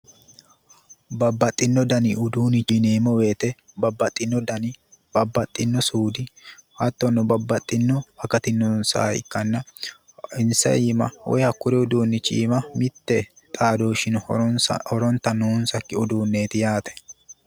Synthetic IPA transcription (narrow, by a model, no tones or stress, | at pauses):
bɐbːɐt̪ʼːɪnːɔd̪ɐnɪʔʊd̪uːnɪt͡ʃineːmɔweːt̪ɛ | bɐbːɐt̪ʼːɪnːɔd̪ɐnɪb̥ɐbːɐt̪ʼːɪnːɔsuːd̪ɪhɐt̪ːɔnːɔbɐbːɐt̪ʼːɪnːɔbɐkɐt̪ɪnːɔnsa̰ːɪ̰kːɐnːɐ | ɪnsɐ̰ʔiːmɐ̰wɔ̰jhɐkːʊɾɛʊd̪uːnːɪt͡ʃːḭːmɐmɪt̪ːɛ | t̪ʼaːd̪oːʃɪnhɔɾɔnt̪ːɐnʊʊnsɐkːɪʊd̪uːnːeːt̪ɪjaːt̪ɛ̥